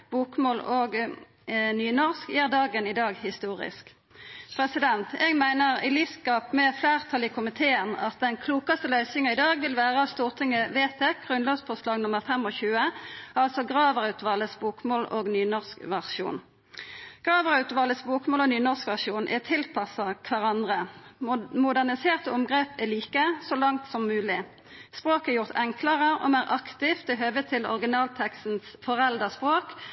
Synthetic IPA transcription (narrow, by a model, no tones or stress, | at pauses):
b̥uːkmoːloːɡ | nyːnɔʁskjiːʁd̪ɑːɡənid̪ɑːɡhɪst̪uːʁɪ̰sk | pʰʁɛsɪd̪ɛnt̪ɛɡmæɪnəʁḭːliskɑːpmɛflæːʁt̪ʰɑlɪkʰʊmɪt̪ʰeːənɑ̰t̪̚d̪ɛnkʰluːkɑst̪əlœʏsɪŋɑɪːd̪ɑːɡʋɪlʋæːʁəɑst̪uːʁt̪ʰɪŋəʋeːt̪ʰeːɡ̥ʁʉnlɑːɡsfɔːslɑːɡnʊməʁfɛmoːçʉːəʔɑlsɔɡʁɑːʋəʁʉt̪ʋɑːləsbuːkmoːlʔo̰ːɡnyːnɔʁskʋæʁʃṵːn | ɡ̥ʁɑːʋəʁʉt̪ʋɑːləsbuːkmoːloːnyːnɔskʋæʁʂuːnʔɛ̰t̪ʰɪlpʰɑsɑkʰʋæʁɑnd̪ʁə | mʊd̪æʁnɪseːʁt̪əʊmɡʁeːpæliːkəsɔlɑŋt̪sɔmːʉːlɪ | spʁoːkæːjʊʁt̪ʰɛŋkləʁəʔo̰ːmæːʁʔɑkt̪ɪft̪ɛɦøːʋət̪ʰɪlɔ̰ʁɡɪnɑːlt̪ʰɛkst̪n̩sfɔʁɛld̪əspʁoːk